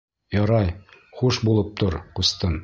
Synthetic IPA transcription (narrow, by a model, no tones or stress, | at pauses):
jɒɾɑj | χuʃbulˠɤp̚t̪oɾqust̪ɤn